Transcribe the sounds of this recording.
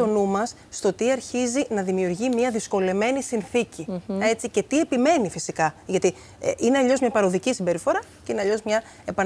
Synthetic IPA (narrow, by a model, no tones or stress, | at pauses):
o̞numɐsːt̪o̞t̪iɐɾçizinɐðimiuɾʝimiɐðisko̞le̞me̞nisinθicie̞t͡sice̞t̪iepime̞nifisikɐʝɐt̪i | ineɐʎo̞zmɲɐpɐɾo̞ðicisimbe̞ɾifo̞ɾɐce̞ineɐʎo̞zmɲɐ | e̞pɐ